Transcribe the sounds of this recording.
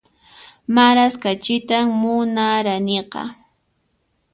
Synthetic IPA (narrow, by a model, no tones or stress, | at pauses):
maɾaskat͡ʃɪt̪aŋmʊnaɾaneqɑ̰